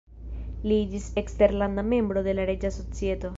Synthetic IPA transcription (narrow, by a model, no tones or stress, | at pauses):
lid͡ʒisekst̪eɾland̪ame̞mbɾo̞d̪e̞laɾed͡ʒaso̞t͡siet̪o̞